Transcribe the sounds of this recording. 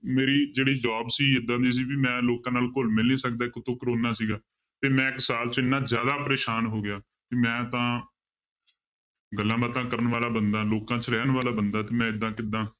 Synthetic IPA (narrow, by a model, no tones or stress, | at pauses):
meːɾiːd͡ʒeːɽiːd͡ʒaːbsiːɪd̪ːãːd̪iːs̬iːbiːmɛ̃ːloːkãːnaːlkʊlmɪlniːsəkd̪aːɪkʊt̪õːkɾoːnːaːsiːɡaː | t̪eːmɛ̃ːɪksaːlt͡ʃɪnːãːzjaːd̪aːpəɾeːʃaːnɦoːɡɪjaː | teːmɛ̃ːt̪ãː | ɡəlːãːbət̪ãːkəɾənʋaːlaːbənd̪aːloːkãːt͡ʃɾɛːnʋaːlaːbənd̪aːt̪eːmɛ̃ːɪd̪ːãːkɪd̪ːãː